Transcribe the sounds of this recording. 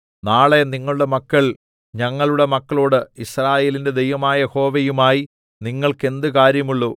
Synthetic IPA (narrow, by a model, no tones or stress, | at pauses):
naːɭe̞niŋːɐɭuɽe̞mɐkːɐɭ | ɲɐŋːɐɭuɽe̞mɐkːɐɭo̞ːɽɨisraːje̞ːlinde̞d̪e̞jʋɐmaːjɐjeho̞ːʋejumaːji | niŋːɐɭke̞nd̪ɨkaːɾjɐmuɭːu